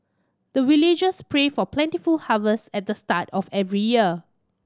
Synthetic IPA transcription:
d̥əwilid͡ʒəspʰɹefɔplɛ̃ntifulhavəsɛt̚dəstatɔfɛvɹijiə

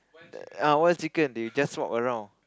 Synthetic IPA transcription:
awɔtssikə̃ndejud͡ʒaswɔ̰kəɹãw̃n

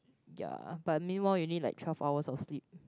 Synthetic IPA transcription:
ja̰b̥at̚mĩnwaɪljunidla̰ɪk̚tʰwɛlfaʊəsɔfslip̚

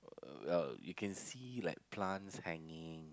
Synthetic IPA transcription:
wɛ̰ljukʰɛ̃nsilaɪk̚pʰlãnshɛ̃ŋɪ̃ŋ

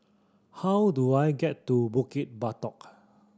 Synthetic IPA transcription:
hawduajɡɛtːubukit̚batɔk

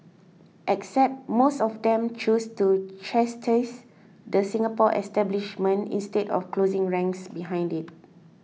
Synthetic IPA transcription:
ʔɛksɛp̚mosɔfdɛ̃mt͡ʃustut͡ʃɛstʰəs | dəsĩŋapɔʔɛ̰stɛbliʃmə̃nḭ̃nstetɔ̰fklozĩŋɹɛ̃ŋksbiɦãj̃ndit̚

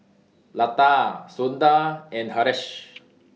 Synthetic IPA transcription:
lat̪asund̪aɛ̃nɦaɾɛʃ

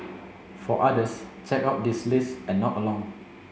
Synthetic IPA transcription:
fɔʔadəst͡ʃɛkap̚dislisɛ̃nːɔtəlɔ̃ŋ

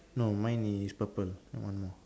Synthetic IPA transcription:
nomãjniispapəl̃wʔã̰nmɔ

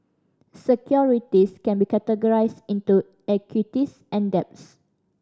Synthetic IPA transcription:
səkʰjɔɹitiskɛ̃nbikɛtəɡɔɹaɪstĩntu | ɛkʰjitis | ɛ̃ndɛp̚s

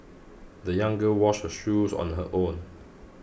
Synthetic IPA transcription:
d̪əjãŋɡəwɔʃhəʃuzɔ̰̃nɦəʔõn

